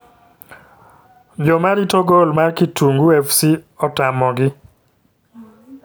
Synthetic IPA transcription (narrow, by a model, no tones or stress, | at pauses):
d͡ʒɔmaɾitoɡolmarkituŋɡuɛfsiɔtamɔɡɪ